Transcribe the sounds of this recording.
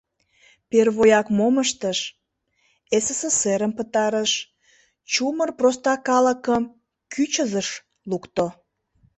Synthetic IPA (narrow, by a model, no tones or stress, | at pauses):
perβojɑkmoməʃt̪əʃ | eseseseɾəmpət̪ɑɾəʃ | t͡ɕumərprost̪ɑkɑləkəm | kʰyt͡ɕəzəʃ | lukt̪o